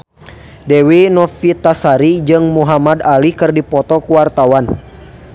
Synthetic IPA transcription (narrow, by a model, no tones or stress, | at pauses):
dɛwinɔfit̪asaɾid͡ʒɨŋmuɦamadalikɨrdipɔt̪ɔkuwart̪awan